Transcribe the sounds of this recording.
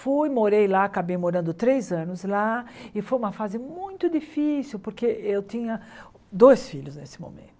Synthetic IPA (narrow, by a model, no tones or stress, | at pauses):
fujmoɾejlaakabejmoɾɐ̃nd̪ʊt̪ɾejzɐ̃nʊzlaɪfojũmɐfazɪmũj̃t̪ʊd͡ʒifisiwpoɾkeewt̪ĩɲɐ | d̪ojsfiʎʊznesɪ̥mõ̰mḛ̃nt̪ʊ̥